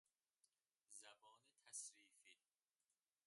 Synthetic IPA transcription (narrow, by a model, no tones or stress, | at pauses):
zæbɒːnet̪ʰæsɾiːfiː